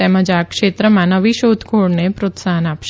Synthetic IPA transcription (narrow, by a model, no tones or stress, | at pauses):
ɛməd͡ʒakʃet̪ɾəmãnəʋiʃot̪kʰoɽnepɾot̪saɦənapʃ